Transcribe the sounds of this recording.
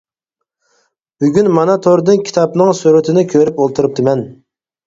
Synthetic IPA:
byɡʲynmɑnɑt̪ʰoɾd̪ɨnkʲʰi̥t̪ʰɑpnɨŋsuɾɪt̪ʰɪnɪkʲʰøɾypolˠt̪ʰɨɾɨp̚t̪ʰɨmɛn

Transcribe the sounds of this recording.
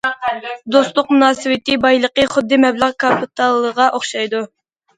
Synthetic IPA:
d̪ost̪lˠʊq̚munɑːsɨwɪt̪ɪbɑjlˠəqəχʊd̪ːɨmɛblˠəʁkʰɑpɨt̪ʰɑlˠːəʁɑʔoχʃɑjd̪u

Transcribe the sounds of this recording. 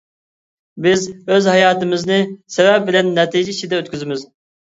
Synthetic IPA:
bɪzøzhɑjɑːt̪ɨmɪznɨsɛvɛp̚bɪlɛnːɛt̪iːd͡ʒɛit͡ʃʰid̪ɛøt̪kʲyzɪmɪz

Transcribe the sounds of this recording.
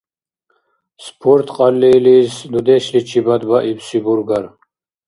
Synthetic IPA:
spʰoɾt̪ʰqʼɑlːilisd̪ud̪eɕlit͡ʃʰibad̪baʔibsibuɾɡaɾ

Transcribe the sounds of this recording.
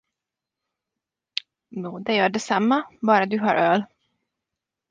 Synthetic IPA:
juːd̪ɛjœːɖɛsamːabɑːɾad̪ɵɦa̰ɾʔøːl

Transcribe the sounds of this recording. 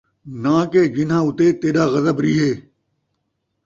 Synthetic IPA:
nãːkeːd͡ʒɪnɦãːʊt̪eːt̪eːɗaːɣɐzəbɾiːɦeː

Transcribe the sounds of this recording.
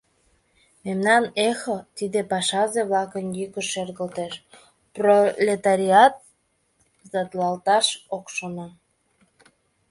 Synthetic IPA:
memnɑnexot̪id̪epɑʃɑzeβlɑkənjykəʃerɣəlt̪eʃ | prolʲet̪ɑɾʲiɑt̪̚ | zɑd̪lɑlt̪ɑʃokʃono

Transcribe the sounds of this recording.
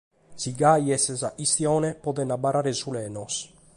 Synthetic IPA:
siɡajesezaʔist̪jonepod̪enabaɾaɾezulɛnos

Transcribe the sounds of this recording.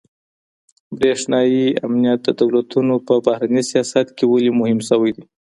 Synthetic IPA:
bɾeʂnɑjia̰mnijat̪̚d̪əd̪awlat̪unopəbahɾanisijɑsat̪kewalimʊhɪmsəwajd̪i

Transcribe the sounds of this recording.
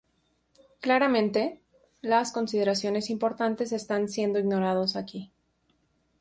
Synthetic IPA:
klaɾamẽ̞nt̪e̞ | lasko̞nsiðe̞ɾasjo̞ne̞simpo̞ɾt̪ant̪e̞se̞st̪ansje̞nd̪oiɣno̞ɾað̞osaki

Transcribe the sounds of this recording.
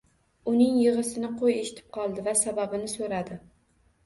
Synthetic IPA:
ʊnɪŋjɨʁɨsɪnɪqʰojeʃɪ̥t̪ʰɪ̥p̚qʰɒlˠd̪ɪvasababɪnɪsoɾad̪ɪ

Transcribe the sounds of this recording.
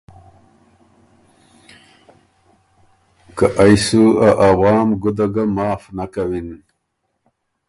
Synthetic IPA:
kaʔajsuaʔawɑːmɡud̪aɡamɑːfnakawin

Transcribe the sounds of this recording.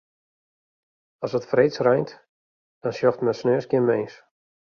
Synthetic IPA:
ɔsətfreːt͡srɛjnt | d̥ɔnsjɔxtmɛsnøəsɡjɪnmeːns

